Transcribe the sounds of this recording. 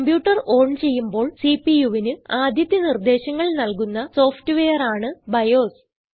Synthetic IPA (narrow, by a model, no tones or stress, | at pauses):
kɐmbjuːʈːɐro̞ːɳt͡ɕe̞jːumbo̞ːɭsiːpijuʋinɨaːd̪ʱjɐt̪jɐnird̪e̞ːɕɐŋːɐɭnɐlkunːɐso̞ːfʰʈɨʋejɐraːɳɨbɐjo̞ːs